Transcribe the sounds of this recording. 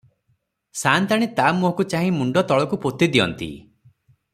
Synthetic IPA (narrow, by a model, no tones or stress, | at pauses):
sant̪aɽ̃et̪amuɦɔ̃kut͡ʃaɦĩmuɳɖɔt̪ɔɭɔkupot̪id̪iɔ̰nt̪ḭ